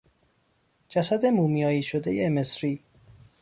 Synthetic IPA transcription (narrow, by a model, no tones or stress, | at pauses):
d͡ʒæsæd̪e̞muːmijɒːiːʃod̪e̞jemesɾiː